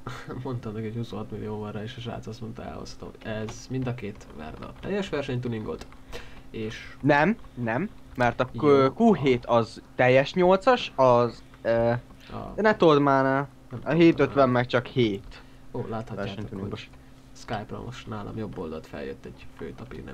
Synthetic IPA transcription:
mo̞nt̪ɒmnɛkɛchusuːhɒt̪milːijoːvɒrɑeːʃɒʃa̰ːt̪sɒsmont̪ɛ̰lho̰shɒ̥t̪o̰mɛzmind̪ɒkeːt̪ʋɛ̰rd̪ɛ̰t̪ɛjːɛʃʋɛrʃɛɲt̪uliŋɡo̰t̪ | eːʃnɛmnɛmː | ɛrt̪ɒkuːɦeːt̪ɒzt̪ɛjːɛʃɲolt̪sɒʃɒz | ø | ɒ̰d̪ɛnɛt̪od̪maːnaːl | nɛmɒɦeːt̪øt̪ʋɛmːɛkt͡ʃɒkheːt̪ | oːlaːt̪hɒvɛrːʃɛɲt̪uliŋɡo | skajpro̰mo̰ʃnaːlɒ̰mjo̞bːold̪ɒt̪fɛ̰ljø̰t̪ːɛɟ̥fø̰ːt̪ɒpḭnɛ̰

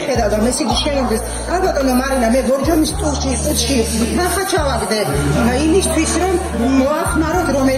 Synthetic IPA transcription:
χɛd̪awd̪amɛsiɡiʃɛnɔmd̪ɛs | aɾbat̪ʼɔnɔmaɾinamɛɡɔɾd͡ʒɔnist̪ʼulʃiqʼut̪ʰʃit̪ʰnaχat͡ʃʰavaɡd̪ɛd̪aimist̪ʰwisɾɔm | mɔaχmaɾɔt̪ʰɾɔmɛ

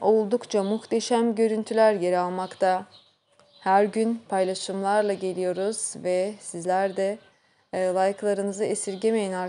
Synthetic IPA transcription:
o̞lˠd̪ukt͡ʃʰamuxt̪ʰe̞ʃæmɟø̞ɾynt̪ʰylʲæɾje̞ɾalˠmakt̪ʰa | hæɾɟynpʰajlˠaʃɯmlˠaɾlˠaɟe̞lʲijo̞ɾuz̥vɛsizlʲæɾd̪ɛ | lˠajɯklˠaɾɯnɯzɯesiɾɟemejæna

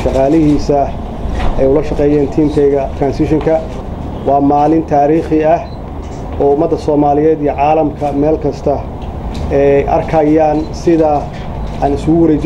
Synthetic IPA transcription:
ʃɑqɑːlɪɦiːsɐ | ɛjʊlɐʃɑqɛːjɛːnt̪ʰiːmk̪ʰɛjɣɐt̪ʰɾaːnsɪʃɪŋkʰɐ | wɑːmaːlɪnt̪ʰaːɾiːχɪɐh | ɔːʊmɐd̪ːɐsɔːmaːlɪjɛːd̪ijɐʕaːlɐmkʰɐmɛːlkʰɐst̪ʰɐ | ɛjʔɐ̰rkʰɐjaːnsɪðɐ | aːnɪsʊɣʊwɐɾɛːt͡ʃ

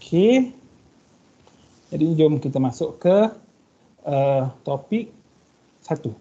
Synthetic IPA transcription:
okʰe | d͡ʒadid͡ʒomkit̪əmasʊʔkə | ət̪opik̚ | sat̪u

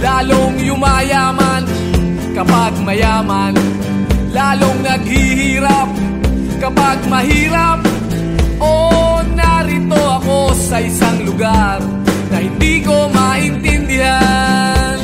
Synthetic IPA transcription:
laːloŋjʊmajaːman | kɐpaɡ̚mɐjaːman | laːloŋnɐɡ̚hɪhiːɾɐp̚ | kɐpaɡ̚mɐɦiːɾɐp̚ | ʔonaɾɪt̪oɐko̞sɐʔɪsaŋlʊɡaɾ | nɐhɪnd̪iːko̞maʔɪnt̪ɛnd̪ɪhann

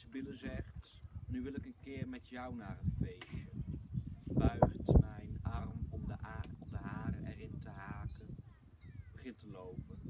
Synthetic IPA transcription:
sbɪləzɛχt | nyʋɪlɪkənkɪːɹmɛtjʌwnaːrətfejʃə | bœɥχtmɛjnɑrmɔməɔmdəɦaːɾə̰ɛ̰rɪntəɦaːkən | bəχɪntəlowpən

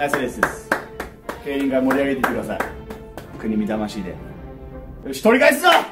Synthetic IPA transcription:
asod̪esɨd̪es | keːɾʲĩŋɡamo̞ɾʲiaɡe̞t̪ekɯd̪asa̰i | kɯ̟ɲ̟imʲid̪amaɕiːd̪e̞̰ | oɕi̥t̪oɾʲikais̬ɨza

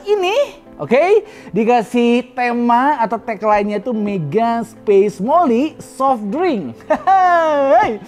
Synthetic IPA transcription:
ini | ʔoke | dikasiht̪emaːt̪awt̪ɛklainɲait̪umeɡaspesmolisɔfdɾɪŋ | ej

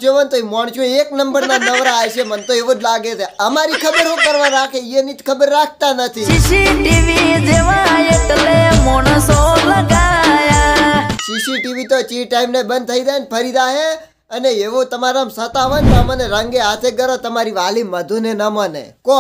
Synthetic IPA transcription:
d͡ʒoʋənt̪oimɔɳ̃t͡ʃʰueknəmbəɾnanəʋɾaːjt͡ʃʰemənt̪oeʋõd͡ʒlaɡet͡ʃʰeəmaɾikʰəbəɾɦõkəɾʋãɾakʰeienit̪kʰəbəɾːak̚ʰt̪anət̪ʰiʃiʃiʈiʋid͡ʒeʋãjekəlemoɳəsoləɡaajaʃisiʈiʋit̪ot͡ʃiʈaimnebənd̪̚t̪ʰəid̪ajnpʰəɾid̪aɦe | əneeʋot̪əmaɾamsət̪aʋənt̪oməneɾəŋɡeɦat̪ʰeɡəɾot̪əmaɾiʋaliməd̪ʱunenəmənḛko

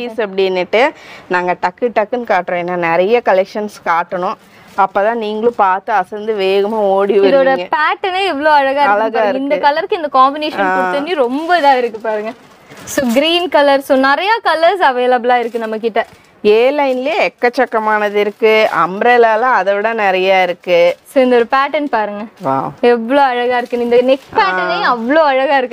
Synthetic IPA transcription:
piːsɐp̬ːɐɽɪnːɪʈːɯnaːŋɡɐʈɐkːɯʈɐkːɯnkaːʈːɾõenːaːnɪɾɐjɐkɐlɛkʂɐnskaːʈːɐɳʊ̃ | ɐpːoːt̪ãːniːŋɡɐɭʊ̃paːɾt̪ɯɐsɐnd̪ɯʋeːɣɐmaːoːɽiʋɐɪðoːɽɐŋɡɐpaːʈːɐneːɛʋːɐɭoːɐɻɐɣaːɪɾɐlɐɯɯɣaːɾɪɡɐɪnd̪ɐkɐlɐɾkɯɪnd̪ɐkaːmbɪneːʃɐnaːotːɐnːiɾɔmbɐðãːɪɾɯkːɯpaːɾɯŋɡɐ | soːɡɾiːnkɐlɐɾsoːnɪɾɐjakɐlɐɾsɐʋeːlɐblaːɪɾɯkːɯnɐmːɐkːɪʈːɐ | eːlɐɪnɪljeɛkːɐt͡ʃːɐkːɐmaːnɐðɪɾɯkːɯɐ̰mbɾeːlaːlãɐðɐʋɪɽɐnɪɾɐjaːɪɾɯkːɯsoːɪnd̪oɾɯpaːʈɐnpaːɾɯŋɡɐʋa̰ːɛʋːɐɭoːɐɻɐɣaːɪɾɯkːɯnɪnd̪ɐnɪkspaːʈɐnejʊ̃ɐʋːɐɭoːɐɻɐɣaːɪɾɯkː

